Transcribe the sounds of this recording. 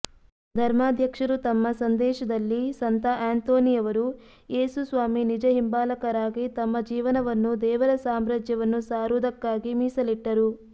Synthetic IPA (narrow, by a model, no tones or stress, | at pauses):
d̪ʱɐɾmaːd̪ʱjɐkʂɐɾut̪ɐmːɐsɐnd̪ɛːʃɐd̪ɐlːisɐnt̪ɐʔaːnt̪oːnijɐʋɐɾu | jeːsusʋaːminid͡ʒɐɦimbaːlɐkɐɾaːɡit̪ɐmːɐd͡ʒiːʋɐnɐʋɐnːud̪ɛːʋɐɾɐsaːmɾɐd͡ʒjɐʋɐnːusaːɾud̪ɐkːaːɡimiːsɐliʈːɐɾu